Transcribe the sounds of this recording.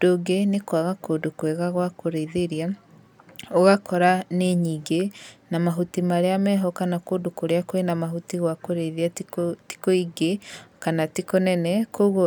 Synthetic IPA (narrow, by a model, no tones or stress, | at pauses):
doɡenekwaɣakodokwɛɣaɣwakoɾeiðeɾia | oɣakɔɾaneɲiːɡenamaɦutimaɾeamɛɦɔkanakoːdokoɾeakwenamaɦutiɣwakoɾeðiati̥koiɡekanatikonɛnɛkoɣo